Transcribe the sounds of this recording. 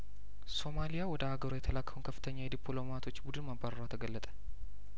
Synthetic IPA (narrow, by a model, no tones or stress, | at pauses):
so̞malijawɔd̪əaɡəɾojɛt̪ʰəlakːəwunkʰəfːɨ̥t̪ʰəɲːad̪ipʰlo̞mat̪ʰo̞t͡ʃːbud̪ɨnmabːaɾəɾwat̪ʰəɡəlːət̪ʼə̥